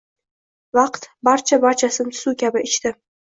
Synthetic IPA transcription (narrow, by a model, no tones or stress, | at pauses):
vɑqt̪baɾt͡ʃʰabaɾt͡ʃʰasɪmt̪ʰʊ̥sukʲabɪʔɪt͡ʃt̪ɪ